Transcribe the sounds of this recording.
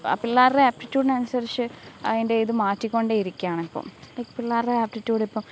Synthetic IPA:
ɐ̰pilːaːrreaːp̚ʈitːjuːɖɨnɐnusɐrit͡ɕːɨɐ̰inde̞iðɨmaːtːikʲːo̞ɳɖeiɾikʲːaːɳipːo̰ːmlekːpilːaːrreaːp̚ʈitːjuːɽipːɐm

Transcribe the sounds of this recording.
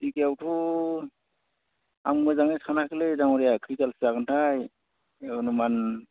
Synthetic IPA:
ikawtʰu | a̰mɡɯzaŋesanakʰilezaŋɔɾijakʰikalsakɯntʰaj | numan

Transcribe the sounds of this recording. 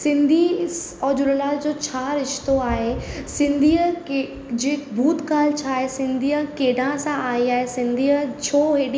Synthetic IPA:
sɪ̃nd̪ʱi | ɔːd͡ʑʊləlaːld͡ʑoːt͡ɕʰaːɾɪʃt̪oaːɦesɪ̃nd̪ʱiːə | d͡ʑeːbʱuːt̪kaːlt͡ɕʰaːɦesɪ̃nd̪ʱiːəkeːɖʱãsãaːiaːɦesɪ̃nd̪ʱiːət͡ɕʰoːɦeːɗi

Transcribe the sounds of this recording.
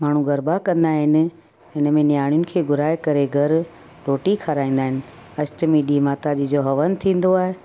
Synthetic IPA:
maːɳ̤ũɡʱɐɾbakɐ̃nd̪aːɦɪnɪ̆ | ɪnəmẽnjaːɽ̃ijʊnɪ̆kʰeːɡʱʊɾaːekɐɾeɡʱɐɾ | ɾoːʈikʰaɾaːĩːnd̪aːɦɪnɪ̆ | ɐsʈmiːɖimaːt̪ad͡ʑid͡ʑoɦɐʋənt̪ʰĩːn̆d̪oaːɦe

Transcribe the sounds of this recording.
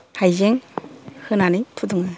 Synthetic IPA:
hajzeŋhɯnanɯjtʰuduŋɯ

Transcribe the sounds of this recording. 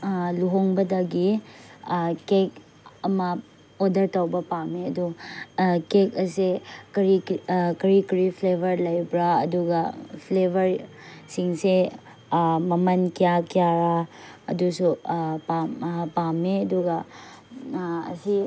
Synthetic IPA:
luɦoŋbɐdɐɡi | kek | ɐmɐ | odɐɾtawbɐpameɐdu | kekɐsekɐɾikɐɾikɐɾipʰlebʱɐɾlɐjbɾaɐ̰duɡɐpʰlebʱɐɾsiŋse | mɐmɐnkijakijaɾaɐ̰dusupapameɐduɡɐ | ɐ̰si

